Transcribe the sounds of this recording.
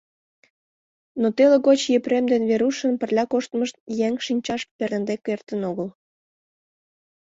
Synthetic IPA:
not̪eleɣot͡ɕjepɾemd̪enβeɾuʃə̆npə̆rlʲɑkoʃt̪məʃt̪̚jeŋʃinʲt͡ɕɑʃpeɾənd̪ekːert̪ənoɣəl

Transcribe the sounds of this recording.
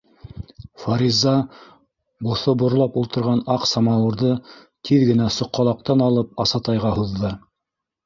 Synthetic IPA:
faɾʲizːɑ | bŏθobŏɾlˠɑpulˠt̪ɤ̆ɾʁɑnɑqsɑmɑwɤ̆ɾðɤ | t̪ʰiðɡɘ̆næsŏqːɑlˠɑq̚t̪ɑnɑlˠɤp̚ɑsɑt̪ɑjʁɑhuðːɤ

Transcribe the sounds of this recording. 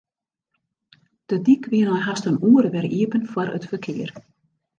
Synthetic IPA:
d̥ədikʰʋiənɔjɦastənuːəɾəʋɛriəpənfwɔɾə̰tfərkʰɪər

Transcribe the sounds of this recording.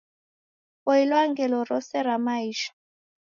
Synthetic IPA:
ɔilwaŋɡɛlɔɾɔsɛɾamaiːʃḁ

